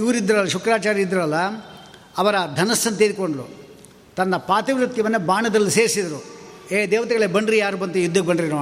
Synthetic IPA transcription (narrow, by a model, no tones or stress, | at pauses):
iʋuɾid̪ːɐɾɐlːɐʃukɾaːt͡ʃaːɾiid̪ːɾɐɾɐlːɐ | ɐʋɐɾɐd̪ʱɐnɐsːɐnːt̪iːɾikoɳɖɐlṵ | t̪ɐnːɐpaːt̪iʋɾɐt̪jɐʋɐnːebaːɳɐd̪ɐlːiseːɾisid̪ɐɾueːd̪ɛːʋɐt̪iɡɐɭebɐɳɖɾijaːɾubɐnt̪ujud̪ʱːɐk̚bɐɳɾinoː